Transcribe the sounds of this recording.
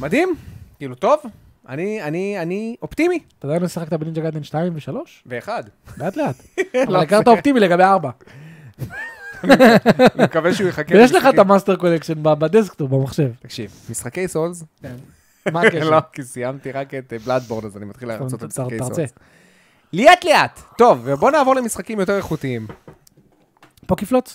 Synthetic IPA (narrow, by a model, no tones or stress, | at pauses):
mad̪imkiːlut̪o̞v | a̰nianianiopt̪imiat̪adajnosiχakt̪abenind͡ʒaɡad̪enʃtaimveʃalo̞ʃveːχad̪leat̪leat̪ | avalikaʁt̪aot̪imile̞ɡabejaʁba | nimkaveʃeujeχakejɛʃleχat̪amast̪eʁko̞lekʃenbabad̪es̬kt̪obamaχʃe̞vt̪ḁkʃivmisχakejsolzken | maeokisijamt̪iʁaket̪blad̪̚boʁd̪azanimat̪χilt̪aʁaʁt͡se | lijat̪leat̪ːo̞vebo̞naːvo̞ʁlemisχakimjo̞t̪̬eʁeχut̪iim | po̞kiflot͡s